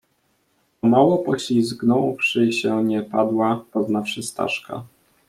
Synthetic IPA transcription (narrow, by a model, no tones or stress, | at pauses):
ɔmawɔpɔɕlʲizɡnɔwfʂɘɕɛɲɛpad̪wapɔznafʂɘst̪a̰ʂka̰